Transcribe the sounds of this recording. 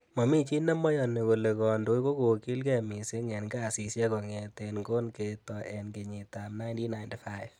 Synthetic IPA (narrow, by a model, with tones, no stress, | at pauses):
mɔ˨mi˦t͡ʃi˦nɛ˦mɔ˦jɔ˨ne˨ko˨le˨kɔ˨ndo˦jko˦ko˨ki˦lkɛ˦˨mi˨se˦ŋɛ˨nka˦˨si˨sjɛ˦kɔ˨ŋɛ˨te˧nɡo˦nke˨tɔ˨ʔɛ˨nke˨ɲi˨ta˨mna˦ɪnti˦na˨jntfa˦ɪv